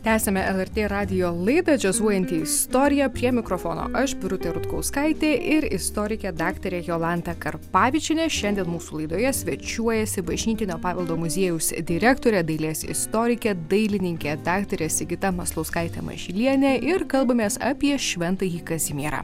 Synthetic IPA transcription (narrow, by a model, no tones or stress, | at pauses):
t̪ʲæːsʲɛmʲɛʔɛlˠɛɾʲt̪ʲeːɾɑːd̪ʲɪjoːlˠɐɪd̪ɐd͡ʒʲɛzuɔjɛnʲt̪ʲiːɪst̪oːɾʲɪjɛpʲɾʲiɛmʲɪkɾoːfoːno̰ːʔɐʃbʲɪɾʊt̪ʲeɾʊt̪kɐʊskɐɪt̪ʲeːʔɪɾɪst̪oːɾʲɪkʲɛd̪ɑːkt̪ɐɾʲeːjoːlˠɑnt̪ɐkɐɾpɑːʋʲɪt͡ʃʲɪnʲeːʃʲɛnʲd̪ʲiɛnmuːsuːlˠɐɪd̪oːjɛsʲʋʲɛt͡ʃʲuɔjɛsʲɪbɐʒʲnʲiːt̪ʲɪnʲoːpɑːʋʲɛlˠd̪oːmʊzʲeɛjʊsd̪ʲɪɾʲæːkt̪oːɾʲɛd̪ɐɪlʲeːsʲɪ̰st̪oːɾʲɪkʲɛd̪ɐɪlʲɪnʲɪŋʲkʲeːd̪ɑːkt̪ɐɾʲeːsʲɪɡʲɪt̪ɐmɐslˠɐʊskɐɪt̪ʲɛ̰mɐ̰ʒʲɪlʲiɛnʲɛʔɪɾkɐlˠbɐmʲeːsɐpʲiɛʃʲʋʲɛnt̪ɐjiːkɐzʲɪmʲiɛɾɑ̰ː